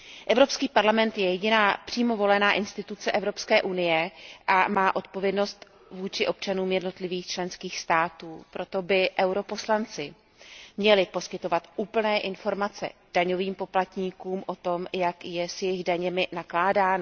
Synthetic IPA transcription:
ʔɛvɾo̞pskiːpaɾlamɛnt̪jɛjɛɟɪnaːpr̥iːmo̞vo̞lɛnaːʔɪnst̪ɪt̪ut͡sɛʔɛvɾo̞pskɛːʔunɪjɛʔamaːʔo̞t̪̚po̞vjɛdno̞st̪ | vuːt͡ʃɪʔo̞p̚t͡ʃanuːmjɛdno̞t̪lɪviːxt͡ʃlɛnskiːxst̪aːt̪uːpɾo̞t̪o̞bɪʔɛwɾo̞po̞slant͡sɪ | mɲɛlɪpo̞skɪt̪o̞vat̪ʔuːpl̩nɛːʔɪnfo̞ɾmat͡sɛ̰d̥aɲo̞viːmpo̞plat̪ɲiːkuːmʔo̞t̪o̞mjakjɛsjɛjɪɣdaɲɛmɪnaklaːdaːn

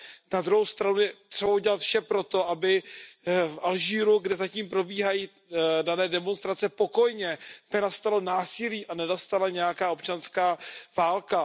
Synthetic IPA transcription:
nad̪ɾuɦowst̪ɾanujɛt̪r̥ɛbauɟɛlat̪fʃɛpɾo̞t̪o̞ʔabɪ | fʔalʒiːɾuɡdɛzaciːmpɾo̞biːɦajiː | danɛːdɛmo̞nst̪ɾat͡sɛpo̞ko̞jɲɛnɛnast̪alo̞naːsɪliːʔanɛnast̪alaɲɛjakaːo̞p̚t͡ʃanskaːvaːlka

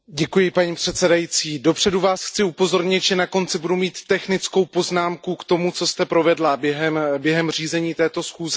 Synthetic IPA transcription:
ɟɛkujɪpaɲiːpr̝̥ɛt̪sɛdajit͡siːdo̞pr̝̥ɛduvaːsxt͡sɪupo̞zo̞ɾɲɪt̪ʒɛnako̞nt͡sɪbudumiːt̪ːɛxnɪt͡sko̞wpo̞znaːmkukt̪o̞mut͡so̞st̪ɛpɾo̞vɛdlabjɛɦɛmbjɛɦɛmriːzɛɲiːt̪ɛːt̪o̞sxuːzɪ

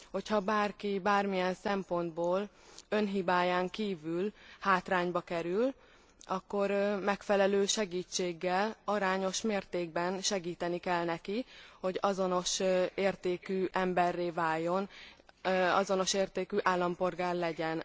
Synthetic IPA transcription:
ho̞chɒbaːrkibaːrmijɛnsɛmpo̞nd̪boːl | ø̞nɦibaːjaːŋkiːvylhaːt̪raːɲbɒkɛɾyl | ɒkːo̞ɾmɛkfɛlɛløːʃɛɡiːt͡ʃːeːɡːɛlɒɾaːɲo̞ʃmeːrt̪eːɡ̚bɛnʃɛɡiːt̪ɛnikɛlnɛkiho̞ɟɒzo̞no̞ʃeːrt̪eːkyːʔɛmbɛrːeːvaːjːo̞n | ɒ̰zo̞no̞ʃeːrt̪eːkyʔaːlːɒmpo̞rɡaːrlɛɟɛn

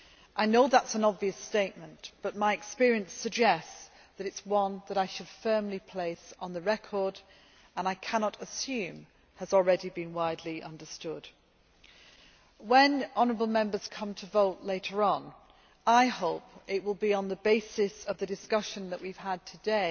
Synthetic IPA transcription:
ʔaɪnoʊðætsə̃nɑbviɨsteɪʔ̚mə̃nb̥ʌt̚maɪɨkspɪɹiɨ̃nsɨɡ̚d͡ʒɛst | ðɨɾɨtswʌ̃nðəɾaɪʃɨd̥fɜ̃˞mlipʰl̥eɪsn̩ðɨɹɛkʰɔ˞d | ə̃naɪkʰænɑɾəsjʉ̃m | ɨzl̩ˠɹɛɾibɨ̃nwaɪdˡliʔʌ̰̃ndə˞stʊd̥ | wə̃nɑnəɹəbl̩ˠmɛ̃mbə˞z̥kʰʌ̃mtʰəvoʊʔleɪɾə˞ə̃n | aɪhoʊpɪʔ̚wɪlˠbiə̃nðəbeɪsɪsʌvðɨdɨskʌʃɨ̃nðəʔwiv̥əd̚tʰɨdeɪ

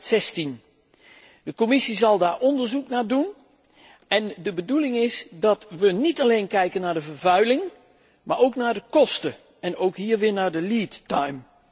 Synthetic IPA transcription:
sɛstin | dəkomɪsizɑlˠdaːɹɔndəɹzuknaːdun | ɛndəbədulɪŋɪsdɑtʋənitalejnkɛjkənːaːɹdəvəɹvœɥlɪŋ | maːɹowknaːɹdəkɔstə | ɛnowkɦiːɹʋɪːɹnaːɹdəliːtːajm

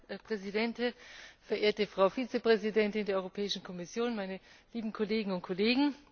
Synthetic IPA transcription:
pʁ̥ɛzidɛntɪfɛɐʔeːɐtəfʁ̥aʊfiːt͡səpʁ̥ɛzidɛntɪndeːɐɔʁopʰɛːɪʃn̩kʰɔmɪsjoːnmaɪnəliːbm̩kʰɔleːɡŋ̩ʊntkʰɔleːɡŋ̩

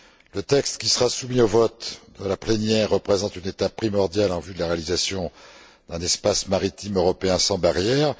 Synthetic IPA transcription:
lət̪ɛkst̪kʲisəʁasumiovɔt̪d̪əlaplɛnjɛʁːəpχezɑ̃t̪ynet̪apːχimɔʁd̪jalɑ̃vyd̪əlaʁealizasjɔ̃ | d̪̥ɛ̃nɛspasmaʁit̪imøʁɔpeɛ̃sɑ̃baʁjɛːʁ

